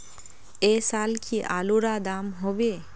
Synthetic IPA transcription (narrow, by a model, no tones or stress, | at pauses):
esalkʰiʔaluɾad̪amɦobe